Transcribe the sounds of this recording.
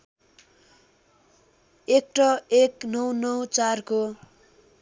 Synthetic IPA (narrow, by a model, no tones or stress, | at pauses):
ek̚ʈʌeknʌwnʌwt͡sarko